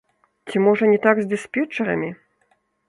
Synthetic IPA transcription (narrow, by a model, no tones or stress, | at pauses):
t͡sʲimɔʐɐnʲɛt̪aɡzd̪ɨspʲɛt͡ʂɛɾɐ̰mʲi